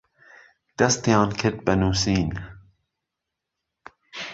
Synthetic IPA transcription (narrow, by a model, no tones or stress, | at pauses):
d̪̥ɐst̪ijɑːnkʰɪɾd̪̚bɐnuːsiːn